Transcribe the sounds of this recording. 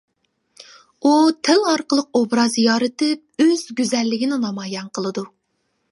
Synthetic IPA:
ut̪ʰɪlɑɾqəlˠəq̚obɾɑzjɑːɾɨt̪ɨp̚øz̥ɡʲyzɛlːɪɡʲinɪnɑmɑːjɛnqʰəlˠɨd̪u

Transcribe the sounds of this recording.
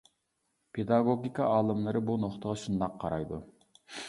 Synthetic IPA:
pʰed̪ɑɡoɡʲikʰɑʔɑːlˠɨmlˠɨɾɨbunoχt̪əʁɑʃund̪ɑqʰːɑɾɑjd̪u

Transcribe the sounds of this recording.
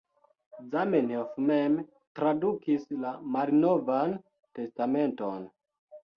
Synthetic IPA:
zamenefmem | tɾadukislamaɾinovan | te̞stame̞nton

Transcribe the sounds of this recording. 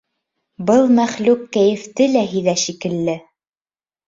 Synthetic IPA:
bɤlˠmæχlʉkːæjɘ̆ft̪ɘlæɦiðæʃikɘ̆lːɘ

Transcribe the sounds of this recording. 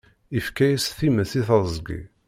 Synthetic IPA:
ifkæjisθiməθiθəzˤɡḭ

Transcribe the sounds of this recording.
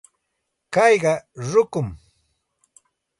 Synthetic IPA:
kɑjɢɑɾʊkʊm

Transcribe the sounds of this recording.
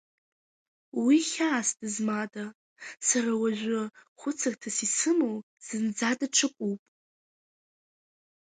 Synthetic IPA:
wiχʲaːsdɨzmatʼa | sarawaʒᶣʷʊχʷʊt͡sʰartʰasisɨmow | z̥ɨnd͡zadʼaʈ͡ʂʷʰɨkʷʼupʼ

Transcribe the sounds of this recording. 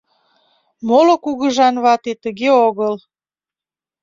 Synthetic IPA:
molokuɣəʒɑnβɑt̪et̪əɣeoɣəl

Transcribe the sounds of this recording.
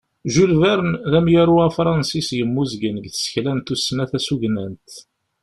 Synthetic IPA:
ʒulvæɾənðæmjaɾuæfɾˤɑnsisjəmːuzɡənəɡθə̥sə̥çlænt̪usːnæθæsuʝnænt̪

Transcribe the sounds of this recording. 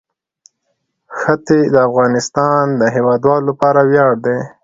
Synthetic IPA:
xət̪ed̪əafɣɑnɪst̪ɑnd̪əɦewɑd̪wɑlolapɑɾawjɑɽd̪e

